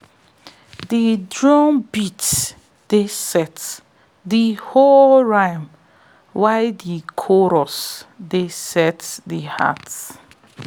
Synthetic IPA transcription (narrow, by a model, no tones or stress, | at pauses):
didɹɔ̃nbit | d̥esɛt | diholɹãɪm | waɪdikʰɔɾɔsdesɛtdiha̰t